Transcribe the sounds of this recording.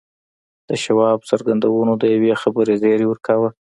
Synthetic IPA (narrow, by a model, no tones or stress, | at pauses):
d̪̥əʃawɑbsaɾɡand̪awənod̪əjawexabəɾezeɾewəɾkawə